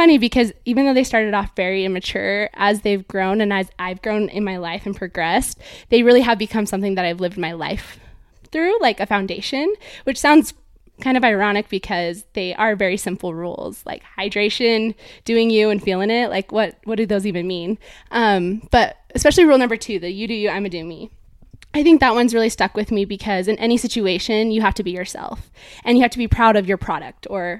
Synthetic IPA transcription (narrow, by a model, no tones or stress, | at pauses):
fʌɾ̃ibɨkʰʌzivɨ̃n̩ðoʊðeɪstɑɹɾɨɾɔfvɛɹiɪ̃nmɨt͡ʃʰʊ̰ɹəzðeɪvɡɹõʊ̃nɨ̃nɨzʔaɪvɡɹõʊ̃nʔɪ̰̃nmaɪlaɪfɨ̃n̩pʰɹ̥ɨɡɹɛsðeɪɹɪlˠiɨvbɨkʰʌ̃msʌ̃mθɪ̃ŋðɨɾaɪvlɪvd̚maɪla̰ɪf | θɹʉlaɪkɨfãʊ̃ndeɪʃɨ̃nwɨt͡ʃsãʊ̃ndz̥ | kʰãɪ̃ndʌvaɪɹɑñɨk̚b̥ɨkʰʌzðeɪʔə˞vɛɹisɪ̃mpl̩ˠɹṵlˠz̥la̰ɪkhaɪdɹeɪʃɨ̃nd̥ʉɪ̃ŋjʉɨ̃nfilˠɪ̃ŋɪt̚la̰ɪkwʌt̚wʌt̚d̥ɨðoʊzivɨ̃nmĩnʔʌ̃mb̥ʌɾɨspɛʃl̩ˠiɹulˠnʌ̃mbə˞tʰʉðɨjɨɾɨjɨãɪ̃mɨdʉ̃mi | ʔaɪθɪ̃ŋk̚ðət̚wʌ̃nzɹɪlˠistʌkwɨðmibɨkʰʌzɨ̃nʔɛñisɪt͡ʃʉeɪʃɨ̃njɨɦæftɨbijə˞sɛ̰lˠf | ʔɨ̃njɨhæftʰɨbipʰɹ̥aʊɾʌvjə˞pʰɹ̥ɑ̰ɾɨ̰k̚tʰə˞